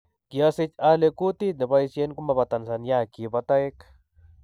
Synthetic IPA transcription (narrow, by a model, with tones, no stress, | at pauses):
kja˧si˧t͡ʃa˧le˧ku˦t̪i˦t̪̚ne˨ba˧i˧sje˦nku˦ma˧βa˧t̪a˨nsa˧nja˦ki˧ba˧t̪a˦e˦k